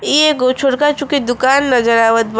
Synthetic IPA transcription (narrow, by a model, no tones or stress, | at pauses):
eɡot͡ʃʰoɽkat͡ʃũkid̪ʊkaːnːɐd͡ʒəɾaːʋət̪̚b